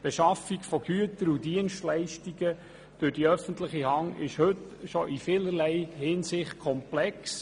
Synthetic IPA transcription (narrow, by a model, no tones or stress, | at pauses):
b̥eʃɑfiɡfɔɡ̥yətəɾudiənʃtlæɪʃtiɡə | d̥øɾd̥iœfən̩tləχihɑŋɪʃhɵtʃɔʔifɪlərlɛɪhɪnsɪχt̚kʰɔmplɛks